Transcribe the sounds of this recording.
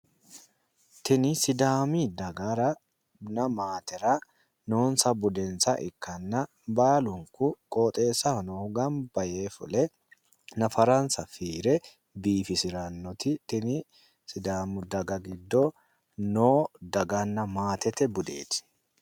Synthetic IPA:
t̪ɪnɪsɪd̪aːmid̪ɐɡɐɾɐ | nɐmaːt̪ɛɾɐ | no̞ːnsɐbʊd̪ɛnsɐʔɪkːɐnːɐ | baːlʊŋkʊkʼoːt̪ʼe̞ːsɐhnɔhʊɡɐmbɐje̞ːfʊ̰lɛ | nɐfɐɾɐnsɐfiːɾɛ | biːfɪsɪɾɐnːɔt̪ɪt̪ɪnɪ | sɪd̪aːmʊd̪ɐɡɐɡɪd̪ːɔ | noːd̪ɐɡɐnːɐmaːt̪ɛt̪ɛbʊd̪ḛːt̪ɪ̥

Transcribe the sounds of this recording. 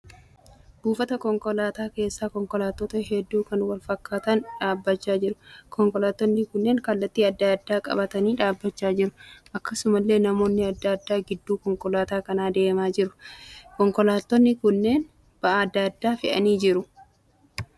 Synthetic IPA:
b̥uːfɐt̪ɐkɔŋkɔlaːt̪aːke̞ːsːaːkɔŋkɔlaːt̪ːɔːt̪ɐɦɛd̪ːuːkɐnwɐlfɐkːaːt̪ɐnᶑaːbːɐt͡ʃːaːd͡ʒɪɾʊ̥kʰɔŋkɔlaːt̪ːɔnːɪkʊnːe̞ːŋkɐlːɐt̪ːiːɐd̪ːɐd̪ːaːkʼɐ̰bɐt̪ɐniːᶑaːbːɐt͡ʃːaːd͡ʒɪɾʊ̥ʔɐkːɐsʊmɐlːe̞ːnɐmo̞ːnːɪɐd̪ːɐd̪ːaːɡɪd̪ːuːkɔŋkɔlaːt̪aːkɐnaːd̪e̞ːmaːd͡ʒɪɾʊkɔŋkɔlaːt̪ːɔnːɪkʊnːe̞ːn | b̥ɐʔaɐd̪ːad̪ːaːfɪʔɐ̰niːd͡ʒɪɾʊ

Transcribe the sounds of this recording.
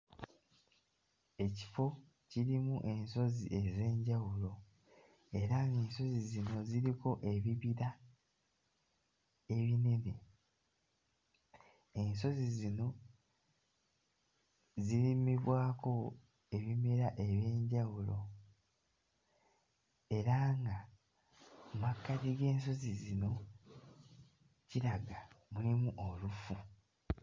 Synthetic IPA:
e̞ci̥fo̞ | ciɾimuʔe̞nso̞zie̞ze̞ːɲɟawulo̞ | e̞ɾaŋɡeːnso̞zizino̞ziɾiko̞ʔe̞βiβiɾa | eβine̞ne̞ | e̞nso̞zizino̞ | ziɾimiβwaːko̞ | e̞βime̞ɾaʔe̞βjeːɲɟawulo̞ | e̞ɾaŋɡa | makːatiɡe̞ːnso̞zizino̞ | ciɾaɡamulimuʔolufu

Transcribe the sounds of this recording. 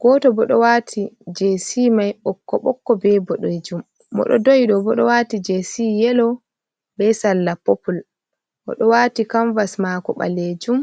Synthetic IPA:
ɡ̥ɔtɔbɔɗɔwaːtʰid͡ʒesimajɓɔkːɔɓɔkːɔbɛbɔɗojd͡ʒumː | ɔ̰ɗɔdojɗɔbɔɗɔwatid͡ʒesijɛlɔ | bɛsalːapopul | ʔɔ̰ɗɔwatikaɱvasmakɔɓa̰led͡ʒum

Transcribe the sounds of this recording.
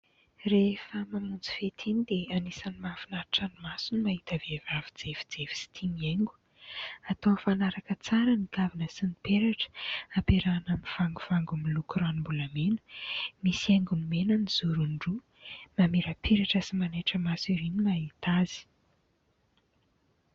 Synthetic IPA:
refəmamunt͡si̥fet̪ʰinid̪eanisanimafinaɾaʈ͡ʂanimasunimaɦit̪avevavid͡zevi̥d͡zevi̥si̥t̪ʰimieŋɡu̥ | at̪owfanaɾakət͡saɾənikavinəsinipeɾaʈ͡ʂə̥apeɾanaminv̥aŋɡuv̥aŋɡumilukɾanimbuləmenə̥misieŋɡunimenəniz̥uɾuɳɖ͡ʐu | mameɾəpʰeɾaʈ͡ʂəsimaneʈ͡ʂəmasiɾinimait̪az̥i̥

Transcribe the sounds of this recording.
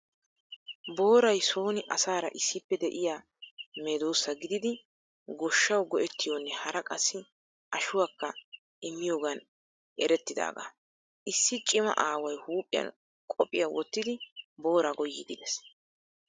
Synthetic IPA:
bo̞ːɾɐjso̞ːnɪʔɐsaːɾɐ̰ʔɪsːɪpːɛd̪ɛʔɪjaː | meːd̪oːsːɐɡɪd̪ɪd̪ɪ | ɡɔʃːɐwɡɔʔɛt̪ːɪjoːnːɛhɐɾɐkʼɐsːɪ | ʔɐʃʊwakːɐ | ʔɪmːɪjo̞ːɡɐn | ʔɛɾɛt̪ːɪd̪a̰ːɡa̰ː | ʔɪsːɪt͡ʃʼɪmɐ̰ʔaːwɐjhuːpʼːɪjɐ̰n | kʼɔpʼːɪjawɔt̪ːɪd̪ɪbo̞ːɾaːɡɔjːid̪ɪd̪ɛs

